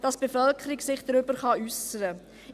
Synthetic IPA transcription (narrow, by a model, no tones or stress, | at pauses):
d̥ɑsb̥efœlkχəɾiksɪχd̥ɾʏbəɾχɑysəɾə